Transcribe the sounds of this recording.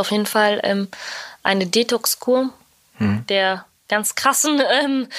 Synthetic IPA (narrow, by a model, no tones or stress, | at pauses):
aʊfjeːdn̩falʔɛ̰ːmʔa̰ɪnədeːtʰɔkskʰuːɐ | d̥eːɐ | ɡ̥ant͡skʁ̥asn̩ʔɛːm